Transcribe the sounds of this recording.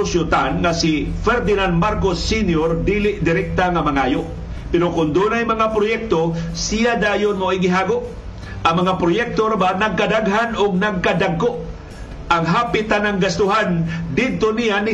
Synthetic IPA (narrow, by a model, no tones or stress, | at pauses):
sjʊt̪anŋasɪfɛɾd̪ɪnand̪̚maɾkosːinjoɾd̪iːlɪʔd̪ɪɾɛk̚t̪aŋamaŋaːjoʔ | pɛɾokʊnd̪unajmɐŋapɾojɛk̚t̪osijad̪aːjʊnmoiɡɪɦaːɡoʔ | ʔaŋmɐŋapɾojɛk̚t̪oɾabanaɡ̚kad̪aɡɦanoɡ̚naɡ̚kad̪aɡ̚koʔ | ʔaŋɦaːpɪt̪ːanaŋɡast̪ʊɦand̪ɪd̪̚t̪onijanɪ